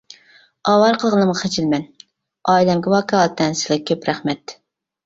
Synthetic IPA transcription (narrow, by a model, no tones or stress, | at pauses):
ɑːwɑɾqʰəlˠʁənɨmʁɑχet͡ʃʰilmɛn | ɑːjlɛmɡʲɛwɑːkʰɑɑlˠt̪ʰːɛnsɪ̥lɪkʲʰøpɾæχmɛt̪